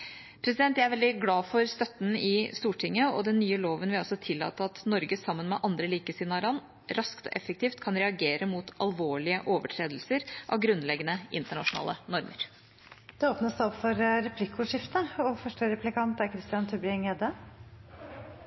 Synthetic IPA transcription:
pʰɾɛsɪd̪ɛnt̪ʋææɾʋɛld̪ɪɡlɑːfɔɾst̪œt̪ːn̩ɪst̪uːʈʰɪŋːəɔ̰d̪ɛnːyːəloːʋənʋɪɔsɔt̪ʰɪlːɑ̰ːt̪əɑt̪nɔɾɡəsɑmːənmɛʔɑnd̪ɾəliːkəsɪnɑːɾɑn | ɾɑskt̪ɔ̰ʔɛfːək̚t̪ʰiːft̪kʰɑnɾɛɑɡeːɾəmut̪ʰɑlʋoːɭɪəʔoːʋəʈʰɾeːd̪lsəɾʔɑ̰ʋɡɾʉnːlɛɡənəʔɪnt̪əɳɑʂʊnɑ̰ːlənɔɾmə̰ɾ | d̪̥ʉoːpnəsd̪ɛɔpfɔɾɾɛpʰlɪkːʊʂɪft̪əɔfœʂʈəɾɛplɪkʰɑnt̪æɾkʰɾɪst̪ɪɑnt̪ʰʉbɾɪɛŋɛd̪ə

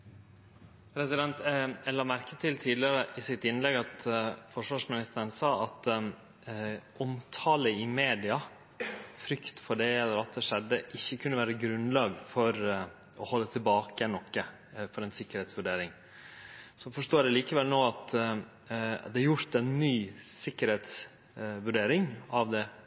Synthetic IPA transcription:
ɾɛsɪd̪ɛnt̪ælɑːmæɾkət̪ʰɪlt̪ʰiːd̪lɪəɾəʔɪsɪt̪ɪnlɛɡɑt̪fɔʂʋɑːʂmɪnɪst̪əɾnsɑːɑt̪ | ʔɔmt̪ʰɑːləɪmeːd̪ɪɑ | fɾʏkt̪fɔɖɛɛləɾɑt̪̚d̪ɛʂɛd̪ːəʔɪçːəkʰʉnːəʋæːɾəɡɾʉnlɑːɡfɔɾ | ɔhɔlːət̪ʰɪlbɑːkəɛnɔkːə | fɔɾɛɪnsɪkːəɾheːt̪sʋʉɖeːɾɪŋ | sɔfɔʂʈoːɖɛliːkəʋɛlnoːɑt̪ | ɑ̰t̪d̪ɛɾjʊɾt̪ɛnːyːsɪkːəɾheːt̪s | ʋʉɖeːɾɪŋɑʋd̪ɛ

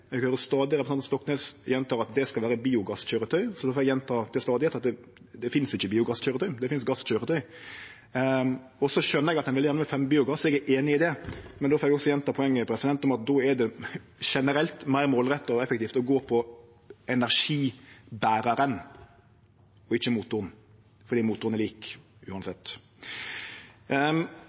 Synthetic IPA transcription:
ɛɡhøːɾəst̪ɑːd̪ɪɾɛpɾsɑnmst̪ɔkːnɛːsjɛnt̪ʰɑːɾɑt̪̚d̪ɛskɑlʋæːɾəbiːʊɡɑsçøːɾət̪ʰœʏsɔd̪ofɔːɛɡjɛnt̪ʰɑːt̪ʰɪlst̪ɑːd̪ɪhɛt̪ɑt̪̚d̪ɛ | d̪ɛfɪnsɪçːəbiːʊɡɑsçøːɾət̪ʰœʏd̪ɛfɪnsɡɑsçøːɾət̪ʰœʏ | ɔsɔʃœnːəɾɛɡɑt̪d̪ɛnʋɪljænəmɛfɛmbiːʊɡɑsɛɡɛɾʔeːnɪɪd̪ɛmɛnd̪ɔːfɔːɾɛɡɔksɔjɛnt̪ɑpʰɔɛŋːəpʰɾɛsɪd̪ɛnt̪ɔmɑt̪̚d̪oːɛɖɛ | ʃɛnəɾɛlt̪mæɪɾmoːlɾɛt̪ːəɔɛfɛkt̪iːft̪ɔɡoːpʰɔ | ɛnæɾʂiːbæːɾɑɾən | ɔɪçːəmuːt̪ʊʁn | fɔɾd̪iːmuːt̪ːʊɾəɛɾliːkʉːɑnsɛt̪ː

